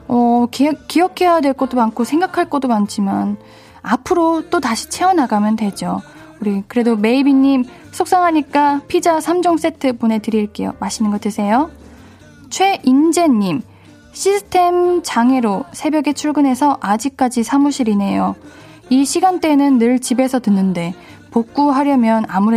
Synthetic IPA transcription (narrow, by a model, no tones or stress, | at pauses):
ʌkk͈ːiʌkʰe̞jadwe̞ɭk͈ʌt͈omankʰosʰe̞ŋɡakʰaɭk͈ʌt͈omant͡ɕʰiman | apʰɯɾot͈otaɕʰi̥t͡ɕʰe̞ʌnaɡamjʌndwe̞d͡ʑo | uɾikɯɾe̞dome̞ibiɲːim | sʰok̚s͈aŋɦaɲik͈apʰid͡ʑasʰamd͡ʑoŋs͈e̞tʰɯpone̞tɯɾiɭk͈e̞̰jo̰maɕʰinɯnɡʌt͈ʰɯsʰe̞jo | t͡ɕʰwe̞ʔind͡ʑe̞ɲːim | ɕʰisʰɯ̥tʰe̞mt͡ɕaŋe̞ɾosʰe̞bjʌɡet͡ɕʰuɭɡɯnɦe̞sʰʌʔad͡ʑik̚k͈ad͡ʑisʰamuɕʰiɾine̞jo | iɕʰiɡant͈e̞nɯnːɯɭt͡ɕibe̞sʰʌtɯnːɯnde̞ | pok͈̚uɦaɾjʌmjʌnamuɾe